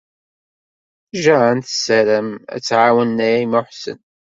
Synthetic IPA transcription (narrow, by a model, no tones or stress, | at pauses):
ʒəænt̪əsæɾəmæ̰t͡sːʕawənːæjæjmʊħsə̰n